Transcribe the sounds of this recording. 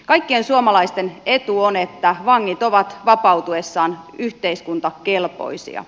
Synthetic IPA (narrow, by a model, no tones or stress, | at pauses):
kɑikːiensuomɑlɑist̪enet̪uonet̪ːæʋɑŋːit̪o̞ʋɑt̪ʋɑpɑut̪uesːɑːnyht̪eiskunt̪ɑkelpo̰isḭɑ̰